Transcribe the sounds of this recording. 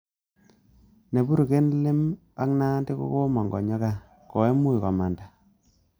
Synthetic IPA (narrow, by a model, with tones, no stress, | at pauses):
ne˨bu˦ɾu˨ke˦nlɪ˦m | a˦kna˦ndi˦ko̰˦ko˦mɔ˨ŋɡɔ̰˨ɲɔ˦ka˦ | ko˨e˦mu˦jka̰˨ma˨nda˨